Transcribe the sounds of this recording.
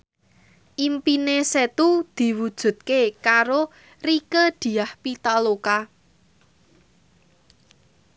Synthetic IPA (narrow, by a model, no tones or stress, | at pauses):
ʔimpineset̪ud̪̥i̤wud̥ʒ̥ṳt̪̚kekaɾo | rikəd̪̥i̤ahpit̪aloka